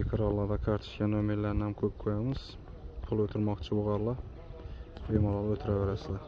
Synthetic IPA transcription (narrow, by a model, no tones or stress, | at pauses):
ekʲʰɪɾɒlˠːad̪akʰaɾt̪ʰɪ̥ʃkʲanomelːaɾnɪhamkʲʰɵp̚kʰojamɪz̥ | pʰʊlˠɵt̪ʰɪɾmɒqt͡ʃʰɪboʁɑɾlˠɪ | bojmɒlˠɑlˠot̪ʰɪɾaveɾasɪd̪a